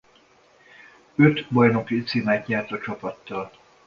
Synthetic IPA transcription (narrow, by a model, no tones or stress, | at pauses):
øt̪bɒjno̞kit̪siːmæːt̪ɲɛrt̪ɒt͡ʃɒpɒt̪ːɒl